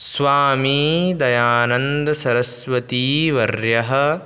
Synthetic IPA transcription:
sʋaːmiːd̪ɐjaːnɐnd̪ɐsɐɾɐsʋɐt̪iːʋɐɾjɐɦɐ̆

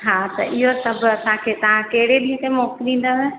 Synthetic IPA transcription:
ɦaːt̪ɐ̰ʔɪɦosɐbʱʊɐsãkʰeːt̪ɐʋ̤ãkɐɦɪɽeɗĩɦə̃k̪emoːkɗĩːnd̪əɦẽ

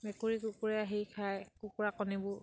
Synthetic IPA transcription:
mɛkuɹikukuɹɛaɦikʰajkukuɹakɔnibʊ

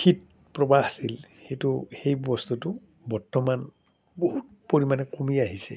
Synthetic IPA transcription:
kʰit̚ | pɹɔbaasilxejtʊxejbɔstutʊ | bɔɹtɔman | boɦut̚ | poɹimanɛkomiaɦisɛ̰

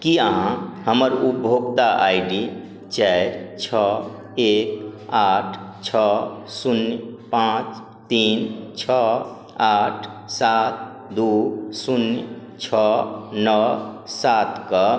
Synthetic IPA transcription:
kiãhəməɾubʱoɡ̚t̪aʔajɖi | t͡ʃɛɪɾt͡ʃʰɔ | ekaʈʰ | t͡ʃʰɔsunjpãt͡ʃ | t̪int͡ʃʰɔ | aʈʰsat̪̚ | d̪usunjt͡ʃʰɔnəsat̪kə

